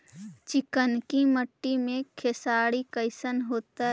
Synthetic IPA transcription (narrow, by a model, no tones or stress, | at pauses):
t͡ʃɪkənkiməʈːimẽkʰesaːɽikəɪsənɦoːt̪aɦ